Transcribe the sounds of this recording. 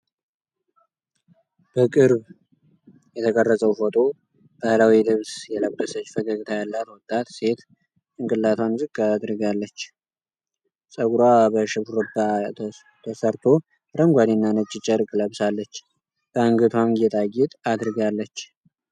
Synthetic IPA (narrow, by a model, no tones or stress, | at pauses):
b̥əkʼɨɾβ | jɛt̪ʰəkʼərːəsʼəwfot̪ʼo̞ | b̥əhlawilɨβsjɛləbːəsət͡ʃːfəkʼaɡɨt̪ʰajalːat̪wɔt̪ʼːat̪se̞t̪ | ɨŋkʼɨlːat̪ʰwanzɨɡad̪ɾɨɡalːət͡ʃː | sʼəɡɾwabəʃɨβɾɔba | t̪ʰəsəɾt̪ʰo̞ | ɾəŋɡʷad̪inːanət͡ʃʼːɪt͡ʃʼɛɾkʼləβsalːət͡ʃː | b̥əɨŋɡɨt̪ʰwamɡɛt̪ʼajɪt̪ʼad̪ɾɨɡalːət͡ʃː